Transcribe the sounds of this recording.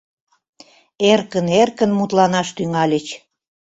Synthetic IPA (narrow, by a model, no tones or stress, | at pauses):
erkənerkənmut̪lɑnɑʃt̪yŋɑlʲət͡ɕ